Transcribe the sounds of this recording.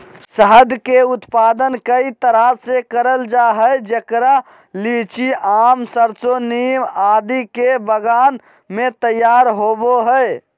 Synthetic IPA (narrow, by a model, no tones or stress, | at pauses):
səɦəd̪ʱkeut̪pad̪ənkəit̪əɾasekəɾəld͡ʒaɦəjd͡ʒekɾa | lit͡ʃiʔaːmsəɾt͡ʃonimad̪ikebəɡan | met̪əjaɾɦoboɦəj